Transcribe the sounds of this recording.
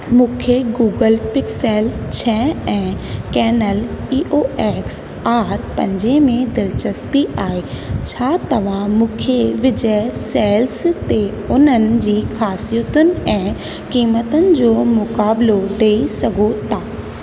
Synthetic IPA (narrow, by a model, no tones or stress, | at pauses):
mũːkʰeɡuːɡəlpɪkseːlt͡ɕʰɛːɛ̃ːkɛːnəliːʔoeːks | aːɾpɐ̰̃ɲd͡ʑemẽd̪ɪlt͡ɕəspiʔaːɦe | t͡ɕʰaːt̪ɐʋ̤ãmũːkʰeʋɪd͡ʑəsɛːlst̪e | ʊnənɪ̆d͡ʑiːxaːsijət̪ʊnɪ̆ɛ̃ː | kiːmət̪ənɪ̆d͡ʑoːmʊkaːbloɖeːisɐɡʱot̪ʰaː